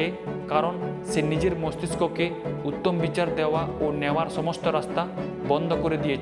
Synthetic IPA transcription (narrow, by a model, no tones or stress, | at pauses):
ekaɾonsenid͡ʑeɾmost̪iskokeut̪ːombit͡ɕaɾd̪ɛoaonɛwaɾʃɔmost̪oɾast̪a | bɔnd̪ʱɔkoɾed̪ije